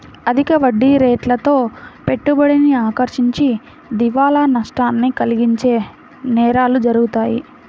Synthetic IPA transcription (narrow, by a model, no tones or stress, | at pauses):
ɐd̪ʱikɐʋɐɖːiɾeːʈlɐt̪o̞ːpe̞ʈːubɐɽiniaːkɐɾʃiɲt͡ʃi | d̪iʋaːlaːnɐʂʈaːnːikɐliɡiɲt͡ʃe̞ː | nɛːɾaːlud͡ʒɐɾuɡut̪aːjḭ